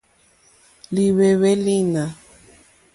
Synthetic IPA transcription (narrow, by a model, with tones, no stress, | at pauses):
li˨we˨we˦li˦na˨